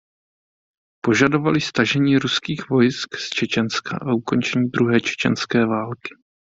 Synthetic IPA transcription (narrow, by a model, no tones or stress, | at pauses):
po̞ʒado̞valɪst̪aʒɛɲiːɾuskiːxvo̞jskst͡ʃɛt͡ʃɛnska̰ʔauko̞nt͡ʃɛɲiːd̪ɾuɦɛːt͡ʃɛ̥t͡ʃɛ̰nskɛːvaːlkɪ̥